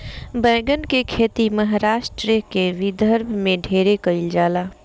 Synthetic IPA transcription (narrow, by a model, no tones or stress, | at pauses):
bəːɡənkekʰeːt̪iməɦaɾaːʃʈɾikeʋɪd̪ʱəɾbʱmẽɖʱeːɾekəɪld͡ʒaːlaː